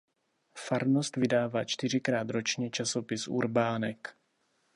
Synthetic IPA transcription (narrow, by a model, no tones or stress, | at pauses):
faɾno̞st̪vɪdaːvaːt͡ʃt̪ɪr̝ɪkɾaːt̪ɾo̞t͡ʃɲɛt͡ʃaso̞pɪsʔṵɾbaːnɛk